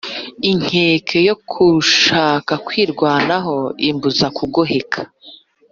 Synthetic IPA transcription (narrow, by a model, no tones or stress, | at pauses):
iŋ̥heːkʰe̞jokʰuʃaːkakwiːɾɡwaːnaɦo̞imbuzakuɡoɦe̞kʰḁ